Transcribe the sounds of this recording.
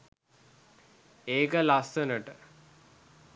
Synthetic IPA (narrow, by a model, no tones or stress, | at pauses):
eːkəlast̪ənəʈə